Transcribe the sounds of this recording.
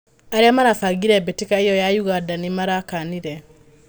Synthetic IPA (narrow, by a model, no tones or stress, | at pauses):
aɾeamaɾafaɡiɾɛbetikaijɔjajuɣadanimaɾakaniɾɛ